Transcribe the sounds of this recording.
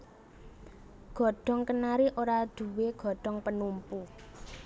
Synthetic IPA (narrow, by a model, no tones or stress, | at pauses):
ɡ̥ɔ̤ɖ̥ɔ̤ŋkənaɾiʔoɾad̪̥ṳweɡ̥ɔ̤ɖ̥ɔ̤ŋpənumpu